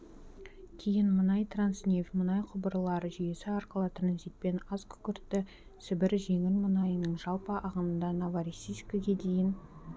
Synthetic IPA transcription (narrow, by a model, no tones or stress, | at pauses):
kʲʰejɪnmənɑjt̪ransnʲefmənɑjqʰʊbəɾəlˠɑɾəʒʏje̞sɪɑɾqəlˠət̪ʰranzijt̪̚pe̞nɑzkʲʰʏ̥kʲɪɾt̪ːɪ | sɪbɪɾʒe̞ŋʲɪɾmənɑjənəɴʒɑlˠpəʔɑʁənənd̪ɑnavaɾʲisiʃkʲɪɡʲe̞d̪e̞jɪn